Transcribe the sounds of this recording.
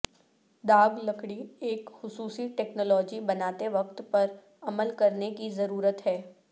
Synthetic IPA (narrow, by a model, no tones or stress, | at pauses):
d̪aːɡlɐkɽieːkxʊsuːsiʈɛːknɔːlɔːd͡ʒibɐnaːt̪eʋɐkt̪pɐɾ | ɐməlkɐɾnekizɐɾuːɾət̪ɦɛː